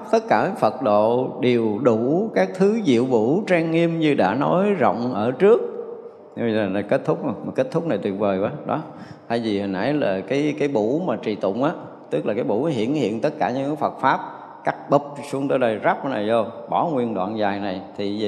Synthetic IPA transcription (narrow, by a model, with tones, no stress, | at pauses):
p̚t̪ə˦˥t̚kaː˧˩˨fə˨˩t̚ɗo̰˧˨ɗe˨˩əwɗu˧˩kaː˦˥k̚t̪ʰɨ˨˦zḭ˧˨əwvu˧˥t͡ɕaː˧ŋːi˧əmɲɨ˧ɗa̰ː˧˥no˨˦jzɔ̰˧˨wŋ͡mʔəː˧˩t͡ɕɨ˦˥ək̚ | laː˨˩la˨˩ke˦˥t̚t̪ʰʊ˦˥k͡p̚o˨˩ma˨˩ke˦˥t̚t̪ʰʊ˦˥k͡p̚na˨˩jt̪wi˨˩ət̚vəː˨˩jkwaː˨˦ɗɔ̰˨˦ | t̪ʰaː˧˩jzi˨˩hə˨˩nʔa̰˧˩jlaː˨˩kaː˨˦jkaː˨˦jɓu˧˥maː˨˩t͡ɕi˨˩t̪ʊ̰˧˨wŋ͡mʔaː˨˦ | t̪ɨ˦˥k̚laː˨˩kaː˨˦jɓṵ˧˥n˨˦ɦḭ˧˨ənhḭ˧˨ənt̪ə˦˥t̚kaː˧˩ɲɨ̰˧˥ŋkːfə˨˩t̚faː˦˥p̚ | kaː˦˥k̚ɓə˨˩p̚su˧əŋt̪əː˨˦jɗə˧jza˦˥p̚ʔna˨˩jzo˧ɓɔ˧˩˦ŋwi˧ənɗwa̰ː˧˨nzaː˨˩jna˨˩jt̪ʰi˨˩˨